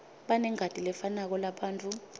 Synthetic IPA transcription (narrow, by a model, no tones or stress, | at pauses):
ɓanɛŋʱatʼilɛfanak̬ɔlaɓaːnt͡fʼu